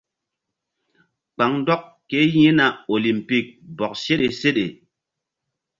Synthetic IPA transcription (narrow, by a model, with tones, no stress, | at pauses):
k͡pa˨ŋdɔ˦k | kːe˨˦jĩ˦na˨o˨li˨mpi˦˨k̚bɔ˨k̚se˦ɗe˨se˦ɗe˨